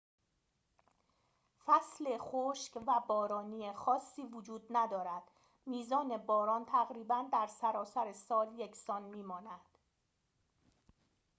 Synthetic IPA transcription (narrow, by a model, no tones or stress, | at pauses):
fæsle̞χoʃcvæbɒːɾɒːniːexɒːsːiːvod͡ʒuːd̪̚næd̪ɒːɾæd̪̥ | miːzɒːne̞bɒːɾɒːnt̪ʰæɣɾiːbænd̪æɾsæɾɒːsæɾe̞sɒːljekʰsɒːnmiːmɒːnæd̪̥